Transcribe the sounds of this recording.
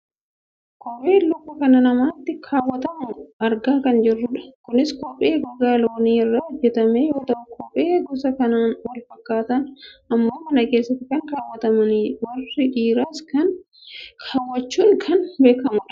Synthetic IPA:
kɔpʼeːlʊbːɐkɐnɐnɐmaːt̪ːɪkʰaːwːɐt̪ɐmʊɐɾɡaːkɐnd͡ʒɪrːʊᶑɐ̥kʊnɪskɔpʼeːɡɐɡaːloːɔniːɪrːɐɔd͡ʒːɛt̪ɐmejo̞ːt̪ɐʔʊkɔpʼeːɡɔsɐkɐnaːnwɐlfɐkːaːt̪ɐnɐmːo̞ːmɐnɐke̞ːsːɐt̪ːɪkɐŋkaːwːɐt̪ɐmɐniwɐrːɪᶑiːɾɐskɐn | kʰaːwːɐt͡ʃːuːŋkʰɐnbe̞ːkɐmʊᶑɐ̥

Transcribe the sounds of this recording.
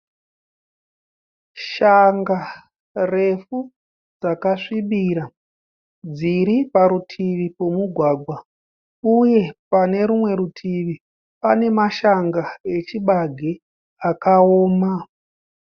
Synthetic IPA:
ʃaŋɡa | re̞fu | d͡zakaʂiɓiɾa | d͡ziɾipaɾutʰiʋipo̞muɡʱwaːɡʱwa | uje̞pane̞ɾumwe̞ɾutʰiʋi | pane̞maʃaŋɡae̞t͡ʃiɓaɡʱe | akaoːma

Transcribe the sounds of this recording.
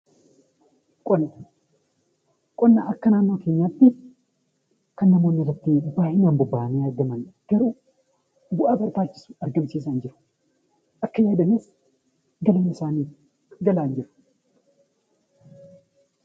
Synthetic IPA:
kʼɔnːɐ | kʼɔnːaʔɐkːɐnaːnːo̞ːke̞ːɲːaːt̪ːɪ | kɐnːɐmo̞ːnːɪrːɐt̪ːɪbaːʔɪnaːmbʊbːaːʔneːɐɾɡɐmɐnɡ̥ɐɾuː | bʊʔaːbɐɾbaːt͡ʃːɪ̥sʊ̥ɐɾɡɐmsiːs̬ɐɪnd͡ʒɪɾʊ̥ | ʔɐkːɐjaːd̪ɐmeːs | ɡɐlɐːnɪsaːniː | ɡɐlaːnd͡ʒɪɾʊ̥

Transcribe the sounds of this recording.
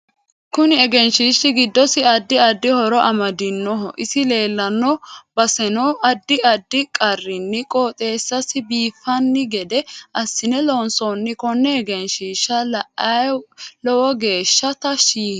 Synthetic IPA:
kʊnɪɛɡɛnʃiːʃːɪɡɪd̪ːɔsɪɐd̪ːɪɐd̪ːɪhɔɾɔʔɐmɐd̪ɪnːɔɦɔʔɪsɪle̞ːlːɐnːɔbɐsɛnɔʔɐd̪ːɪɐd̪ːɪkʼɐrːɪnːɪkʼoːt̪ʼe̞ːsːɐsɪbiːfːɐnːɪɡɛd̪ɛʔɐsːɪnɛlɔnsɔnːɪkɔnːɛɛɡɛnʃiːʃːɐlɐʔɐlɔwɔɡe̞ːʃːɐt̪ɐʃiː

